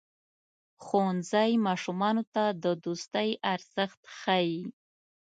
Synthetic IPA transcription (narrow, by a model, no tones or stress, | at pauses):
xonzajmɑʃumɑnot̪ad̪əd̪ust̪əjaɾz̥əxt̪xaji